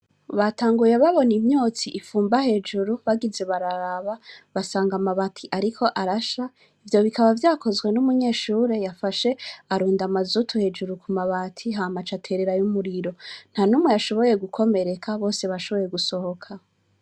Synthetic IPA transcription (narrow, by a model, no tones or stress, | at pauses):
βatʰaːŋɡuje̞βaβo̞nimɲo̞ːt͡siʔːfuːmbahe̞d͡ʒuɾuβaɡize̞βaɾaɾaβaβasaːŋɡamaβatʰiʔaɾikʰo̞ʔaɾaʃa | ivjo̞βikaβavjaːko̞zɡwe̞numuɲe̞ːʃuːɾe̞jafaʃe̞aɾuːndamazutʰuhe̞d͡ʒuɾukʰumaβatʰiɦaːmat͡ʃatʰe̞ɾeɾajumuɾiɾo̞n̥hanumŋe̞jaʃo̞βo̞je̞ɡukʰo̞me̞ɾe̞kʰaβo̞ːse̞βaʃo̞βo̞je̞ɡuso̞ho̞kʰa